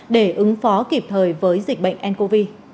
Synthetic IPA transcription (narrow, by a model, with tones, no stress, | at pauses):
ɗe˧˩ʔɨ˨˦ŋfɔ˨˦ki˨˩p̚t̪ʰəː˨˩jvəː˨˦jzi˨˩k̟̚ɓə̰˧˨jŋ̟ʔɛ˧nko˧vi˧